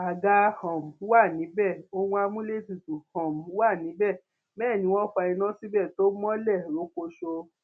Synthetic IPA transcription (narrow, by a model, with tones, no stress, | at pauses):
a˨ɡa˦hɔ̃˨m˨˦wa˦˨nĩ˨˦bɛ˦˨o˧wũ˦a˧mũ˦le˦˨ti˨tu˨hɔ̃˨m˨˦wa˦˨nĩ˨˦bɛ˦˨ | bɛː˦˨nĩ˨˦w̃ɔ̃˦k͡pa˧i˧nã˦si˦bɛ˦˨to˦mɔ̃˦lɛ˦˨ɾo˨˦ko˧ʃo˧